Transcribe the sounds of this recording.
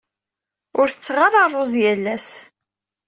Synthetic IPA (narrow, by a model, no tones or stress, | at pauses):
ʊɾθət͡sːʁarˤɑrˤozjælːæs